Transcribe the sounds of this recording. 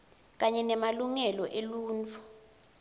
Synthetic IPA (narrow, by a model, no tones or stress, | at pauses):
k̬aɲɛnɛmaluŋɛlɔʔeluːnt͡fʰu